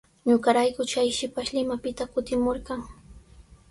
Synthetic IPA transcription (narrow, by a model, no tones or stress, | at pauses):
ɲʊɢɑɾajkʊt͡ʃajʃɪpaʃlɪmapɪt̪akʊt̪ɪmoɾɢɑŋ